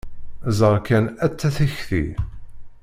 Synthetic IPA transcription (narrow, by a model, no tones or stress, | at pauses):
zəɾˤkænæt͡sːæθiçθḭ